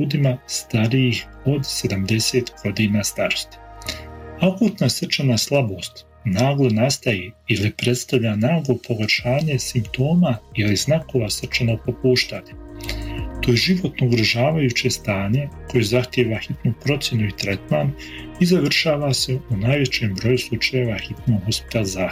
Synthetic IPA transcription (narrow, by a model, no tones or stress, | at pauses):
ʎuːd̪imast̪aɾiixo̞d̪se̞d̪amd̪e̞se̞ːt̪ɡ̥o̞d̪iːnaːst̪aɾo̞̥st̪i̥ | akuːt̪nasr̩t͡ʃanaslˠabo̞ːst̪ | naːɡlˠo̞nast̪ajeilipɾe̞t̪st̪aʋʎanaːɡlo̞pʰo̞ɡaʃaːɲe̞simpt̪o̞ːmailiznako̞ʋasr̩t͡ʃanoɡ̚popuːʃt̪aːɲe | t̪o̞ːjeʒiʋo̞t̪nouɡɾoʒaːʋajut͡ɕe̞st̪aːɲe̞ko̞jezaxt̪jeʋaxit̪nupɾo̞t̪sʲje̞nuit̪ɾet̪maːn | izaʋr̩ʃaːʋase̞unaːjʋe̞t͡ɕeːmbɾo̞juslˠut͡ʃaje̞ʋaxit̪noɡɦospi̥t̪alˠza